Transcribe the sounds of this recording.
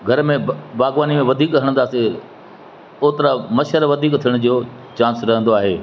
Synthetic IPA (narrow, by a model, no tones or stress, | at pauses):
ɡʱɐɾmẽbaːɡʋaːnimẽʋɐd̪ʱiːkɦɐɽ̃nd̪aːse | oːt̪ɪɾamɐʃəɾʋɐd̪ʱiːkt̪ʰijəɽ̃d͡ʑio | t͡ɕãːnsɾɐɦə̃n̆d̪oaːɦeː